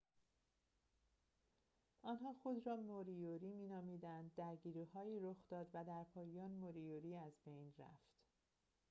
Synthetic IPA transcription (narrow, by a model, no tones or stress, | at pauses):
ʔɒːnɦɒːxod̪rɒːmoɾijoɾiːmiːnɒːmiːd̪ænd̪ːæɾɟiːɾiːhɒːiːɾoxd̪ɒːd̪væd̪æɾpʰɒːjɒːnmoɾijoɾiːæzbejnræ̰ft̪